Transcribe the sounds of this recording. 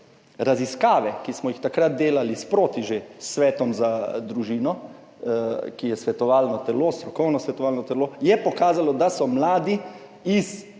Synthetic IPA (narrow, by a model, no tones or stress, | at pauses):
ɾaziskaːʋɛkismɔjixt̪akɾat̪̚d̪eːlalispɾoːt̪iʒesːʋɛːt̪ɔmzad̪ɾuʒiːnɔ | kijɛsʋɛt̪ɔʋaːlnɔt̪ɛloːst̪ɾɔkɔwnɔsʋɛt̪ɔʋaːlnɔt̪ɛloːjɛpɔkaːzalɔd̪asɔmlaːd̪i | is